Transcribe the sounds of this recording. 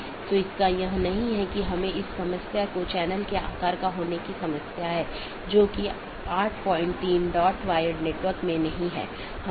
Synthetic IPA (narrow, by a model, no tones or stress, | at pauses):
t̪oɪskajɐɦnɐɦĩɦɛkiɦɐmẽɪsːɐməsjakot͡ʃɛːnəlkea̰ːkaːɾkaɦoːnekisɐməsjaɦɛː | d͡ʒoːki | aːɾʈʰpɔːɪ̃ɳʈt̪iːnɖɔːʈʰʋaːjəɖneːʈʋəɾkmẽnɐɦĩɦɛ̰ː | hɐ